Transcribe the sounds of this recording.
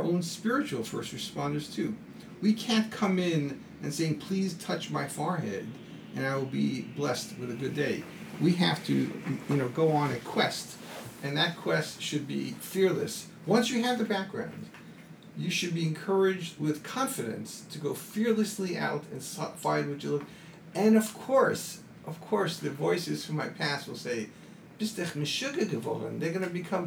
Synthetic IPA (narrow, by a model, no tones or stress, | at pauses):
ʔõʊ̃nspɪɹɨt͡ʃul̩ˠfɜ˞sɹɨspɑ̃ndə˞z̥tʰʉ | wikʰæ̃nkʰʌ̃mɪ̃n | ɨ̃nseɪɪ̃ŋpʰl̥iz̥tʰʌt͡ʃmaɪfɑɹɦɛ̰ɾ | ʔɨ̃naɪwəlˠbiblɛst̚wɨðɨɡʊdeɪ | wiɦæftʰɨ̰jɨñoʊɡoʊə̃nɨkʰw̥ɛst | ɨ̃nðɨt̚kʰw̥ɛstʃɨd̚bḭfɪɹlɨ̰s | wʌ̃nsjɨɨvðɨbæk̚ɡ̥ɹã̰ʊ̃nd̥ | jɨʃɨd̚biɨ̃nkʰɜ˞ɪd͡ʒd̚wɪð̥kʰɑ̃ɱfɨɾɨ̰̃nstʰɨɡoʊfɪɹlˠɨsliʔa̰ʊɾɨ̰̃nsfaɪd̚wʌt͡ʃəlʊɡ | ɨ̃nʌv̥kʰɔɹs | ʔʌv̥kʰɔɹsðɨvɔɪsɨz̥fũmaɪpʰæswəlˠseɪ | b̥ɪstɨχmɨʃʊɡɨɡɨvo̰lˠə̰̃nðə˞ɡʌnɨbɨkʰʌ̃m